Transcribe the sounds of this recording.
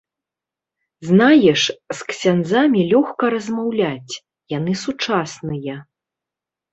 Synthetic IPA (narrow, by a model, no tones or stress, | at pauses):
znajɛʂsksʲanzamʲilʲɔxkɐɾɐzmawlʲat͡sʲ | janɨsut͡ʂasnɨjɐ